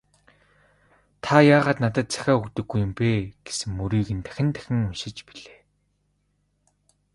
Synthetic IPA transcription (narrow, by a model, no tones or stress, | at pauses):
t̪ʰajaːʁaːt̪nat̪ə̆t̪̚t͡sæ̥xʲæːukt̪ɵ̆ɡːujːʊ̆mpeːɡ̥e̥sɘ̆ŋːuɾiːɣɘ̆nt̪ʰæ̥xʲɪ̆nt̪ʰæ̥xʲɪ̆ŋʊnʃɪ̆t͡ɕpiɮeː